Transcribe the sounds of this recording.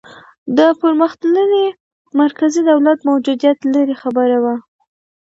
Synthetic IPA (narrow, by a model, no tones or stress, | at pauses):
d̪əpəɾməxt̪ləne | maɾkazid̪awlat̪mawd͡ʒud̪ijat̪ləɾexabəɾawa